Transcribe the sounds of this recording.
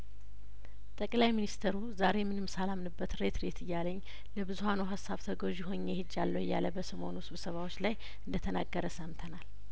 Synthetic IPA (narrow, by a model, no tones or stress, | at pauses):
t̪ʼəkʼlajminist̪ʰeɾuzaɾe̞mɨnɨmsalamnɨbːət̪ɾe̞t̪ɾe̞t̪ɨjːaləɲː | ləbɨzuhanoɦasːaβt̪ʰəɡoʒɪɦo̞ɲːehɨd͡ʒːalːoɨjːa̰ləbəsəmo̞nusɨβsəβawot͡ʃːlaj | ɨnd̪ət̪ʰənaɡːəɾəsəmt̪ʰənal